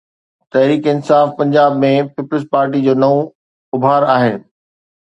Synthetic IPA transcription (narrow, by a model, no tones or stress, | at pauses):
t̪ɐɦɾiːkɪnsaːfpɐ̃ɲd͡ʑaːbmẽpɪplɪspaːɾʈ̬id͡ʑoːnɐũ | ʊbʱaːɾaːɦeː